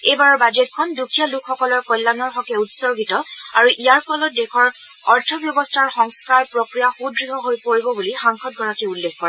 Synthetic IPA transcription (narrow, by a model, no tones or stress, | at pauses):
ejbaɹɔɹbad͡ʒetkʰɔndukʰijalukʰxɔkɔlɔɹkɔjlːanɔɹɦɔkɛutsɔɹɡitɔaɹuʔijaɹpʰɔlɔt̚dekʰɔɹ | ɔɹtʰɔbjɔbɔstʰaɹxɔŋskaɹpɹokɹijaxudɹiɦɔɦojpoɹibɔbulixaŋxʰɔt̚ɡʱɔɹakiulːekkɔɹɛɛ